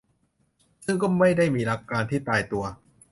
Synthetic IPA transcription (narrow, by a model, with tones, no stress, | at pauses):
sɯ˥˩ŋkɔː˥˩ma˥˩jda˥˩jmiː˧ɾa˦˥kːaː˧nt̪ʰiː˥˩t̪aː˧jt̪u˧ɐ